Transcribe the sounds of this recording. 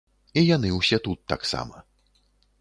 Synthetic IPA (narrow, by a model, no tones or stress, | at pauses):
ijan̪ɨwsʲɛt̪ut̪ːa̰ksa̰mɐ̰